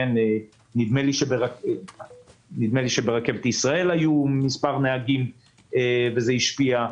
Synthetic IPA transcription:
ene | nid̪meliʃebeʁak | nid̪meliʃebeʁake̞vt̪isʁae̞lajumispaʁneaɡim | evezeiʃpia

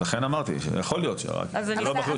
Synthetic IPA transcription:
laχenamaʁt̪ḭʃeja̰χo̞lijo̞t̪ʃḛʁa̰kazanlobaχlu

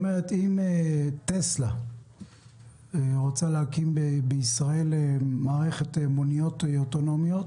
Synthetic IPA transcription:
omeʁet̪imet̪esla | ʁot͡salehakimbebeisʁae̞lemaːʁe̞χet̪emonijo̞teot̪ono̞mjo̞t̪

